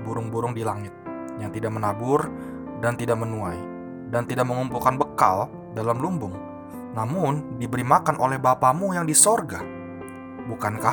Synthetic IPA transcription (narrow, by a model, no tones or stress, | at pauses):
buɾʊŋbuɾʊŋdilaŋɪt̪̚ | jaŋt̪idaʔ̚mənabʊr | dant̪idaʔ̚mənuaj | dant̪idaʔ̚məŋumpʊlkanbəka̰l | dalamlumbʊŋ | namʊndibəɾimakanʔolɛhbapamujaŋdisorɡa | bukanka